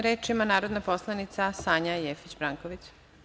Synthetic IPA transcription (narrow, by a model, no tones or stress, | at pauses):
ɾeːt͡ʃimanaːɾo̞d̪napo̞slˠanit̪sasaːɲajeːfit͡ɕbɾaːŋkoʋit͡ɕ